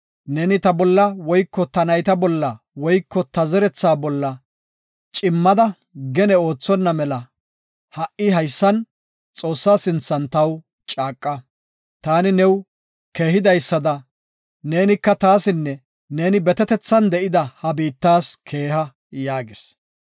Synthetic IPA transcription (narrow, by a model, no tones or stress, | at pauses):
neːnɪt̪ɐbɔlːɐwɔjkːɔt̪ɐnɐjt̪ɐbɔlːɐ | wɔjkːɔt̪ɐzɛɾɛt͡sːaːbɔlːɐ | t͡ʃʼɪmːɐd̪ɐ | ɡɛnɛo̞ːt͡sːɔnːɐmɛlɐ | hɐʔɪɦɐjsːɐn | t͡sʼo̞ːsːaːsɪnt͡sːɐnt̪ɐw | t͡ʃʼaːkʼːɐ | t̪aːnɪnɛw | ke̞ːɦɪd̪ɐjsːɐd̪ɐ | ne̞ːnɪkːɐt̪aːsɪnːɛ | ne̞ːnɪbɛt̪ɛt̪ɛt͡sːɐnd̪ɛʔɪd̪ɐhɐbiːt̪ːaːskʰe̞ːɦɐ | jaːɡɪs